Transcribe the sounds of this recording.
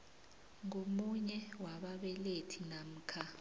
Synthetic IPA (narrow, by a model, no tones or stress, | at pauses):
ŋomuɲɛwaɓaɓɛletʰinam̩ːkʰa